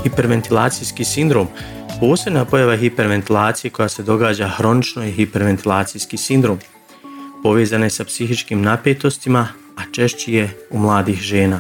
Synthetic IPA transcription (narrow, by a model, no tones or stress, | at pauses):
hipe̞ɾʋe̞nt̪ilˠaːt̪sijskisind̪ɾo̞ːm | po̞ːse̞bnapo̞jaʋaɦipe̞ɾʋe̞nt̪ilˠaːt̪sije̞ko̞jase̞d̪o̞ɡaːd͡ʑaxɾo̞nit͡ʃno̞jeɦipe̞ɾʋe̞nt̪ʰilˠaːt̪sijskisind̪ɾo̞ːm | po̞ʋeːzanjesapsiɦit͡ʃkiːmnapeːt̪o̞st̪ima | at͡ʃe̞ʃt͡ɕije̞umlˠaːd̪iːxʒe̞ːnaː